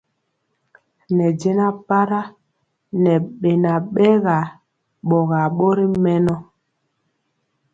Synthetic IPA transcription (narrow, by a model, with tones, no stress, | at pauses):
nɛ˨d͡ʒe˦na˦pa˦ɾa˦ | nɛ˨ɓe˨na˨ɓɛ˦ɣa˨ | ɓɔ˨ɣa˨ɓo˦ɾi˦mɛ˦nɔ˦